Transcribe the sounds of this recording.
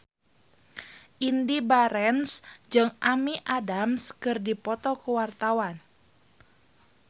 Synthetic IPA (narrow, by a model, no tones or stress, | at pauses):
ʔindibaɾɛnsd͡ʒɨŋʔamiʔadamskɨrdipɔt̪ɔkuwart̪awan